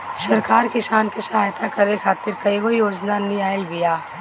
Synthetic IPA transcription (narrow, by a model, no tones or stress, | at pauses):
ʃɐɾkaːɾkɪsaːnkesɐɦaːjt̪akɐɾekʰaːt̪ɪɾkɐiɦojoːd͡ʒnanijaːɪlbijaː